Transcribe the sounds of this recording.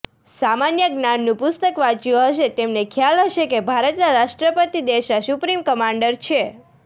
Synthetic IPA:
samanjəɡnanːũpʊst̪əkʋat͡ʃjuɦəʃet̪emnekʰjalɦəʃekebʱaɾət̪naɾaʃʈɾəpət̪id̪eʃnasupɾimkəmãɳɖəɾt͡ʃʰe

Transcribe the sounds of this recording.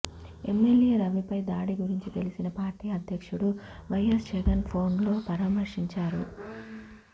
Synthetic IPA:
e̞mːeljeːɾɐʋipɐjd̪aːɽiɡuɾiɲt͡ʃit̪e̞lisinɐpaːɾʈiːɐd̪ʱjɐkʂuɽu | ʋɐjɐsd͡ʒɐɡɐnpʰo̞ːnlo̞ːpɐɾaːmɐɾʂiɲt͡ʃaːɾu

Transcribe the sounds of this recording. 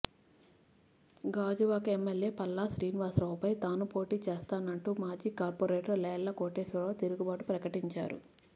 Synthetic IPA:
ɡaːd͡ʒuʋaːkɐemːeljeːpɐlːaːsɾiːnʋaːsɾɐwpɐjt̪aːnupo̞ːʈiːt͡ʃeːst̪aːnɐɳʈuːmaːd͡ʒiːkaːɾpoːɾeːʈɐɾlɛːjɐlːɐkoːʈeːsɐɽoːt̪iɾuɡubaːʈupɾɐkɐʈiɲt͡ʃa̰ːɾṵ

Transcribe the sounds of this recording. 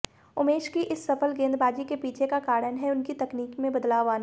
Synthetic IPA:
ʊmeːʃkiʔɪsːɐfəlɡẽːnd̪baːd͡ʒikepiːt͡ʃʰekakaːɽənɦɛʊnkit̪ɐkniːkmẽbɐd̪laːʋaːna

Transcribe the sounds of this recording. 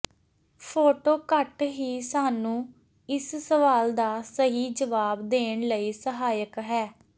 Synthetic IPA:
pʰoːʈoːkəʈɦiːsaːnũː | ɪssəʋaːld̪aːsəɦiːd͡ʒəʋaːbd̪eːɳləiːsəɦaːjəkɦɛː

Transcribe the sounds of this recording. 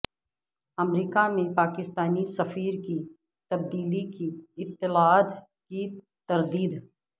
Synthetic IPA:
ɐmɾiːkamẽpaːkɪst̪aːnisɐfiːɾki | t̪ɐb̚d̪iːlikiɪt̪ːɪlad̪ | ki | t̪ɐɾd̪iːd̪

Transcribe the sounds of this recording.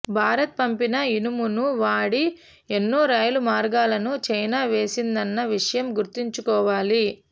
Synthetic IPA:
bʱaːɾɐt̪̚pɐmpinɐinumunuʋaːɽi | e̞nːoːɾaːjɐlumaːɾɡaːlɐnut͡ʃɐjnaːʋe̞ːsind̪ɐnːɐʋiʂɐjɐmɡuɾt̪iɲt͡ʃukɔːʋaːli

